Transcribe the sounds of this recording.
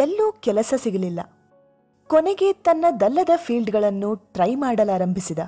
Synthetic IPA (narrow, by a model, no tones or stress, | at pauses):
elːuːkɛlɐsɐsiɡɐlilːɐ̰ | kɔneɡe̞t̪ɐnːɐd̪ɐlːɐd̪ɐpʰiːlɖɡɐɭɐnːuʈɾɐjmaːɽɐlaːɾɐmbʱisid̪ɐ